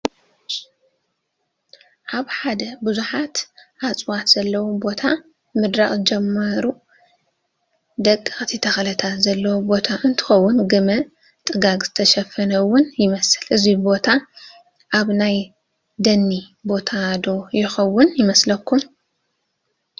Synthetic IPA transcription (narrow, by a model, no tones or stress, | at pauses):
ʔaβħad̪ɐbɨzuħat̪ʔat͡sʼwat̪z̥ɐlːɐwobo̞t̪ʰa | mɨd̪ɾaχʼd͡ʒɛmːɐɾu | d̪ɐkʼːɨxʼt̪ʰit̪ʰɐxɐlɐt̪ʰat̪zɐlːɐwobo̞t̪ʰaʔɨnt̪ʰɨ̥xɐwːʊnɡɨmɐ | t̪ʼɨɡaɡz̥ɨt̪ʰɐʃɐfɐnɐwːʊnjɪmɐsɨlɨzibo̞t̪ʰa | ʔaβnaj | d̪ɐnːi | bo̞t̪ʰad̪o̞jɪxɐwːʊnjɪmɐslɐkʰːum